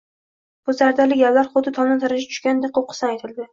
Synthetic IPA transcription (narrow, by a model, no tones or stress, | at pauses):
b̥ʊzaɾd̪aɾlɪkʲalːaɾχʊd̪ɪt̪ʰɒnˠnɪt̪ʰaɾad͡ʒat̪ʰʊ̥ʃkʲand̪eqʰop̚qʰɨ̥sɪnajt̪ʰɪld̪ɪ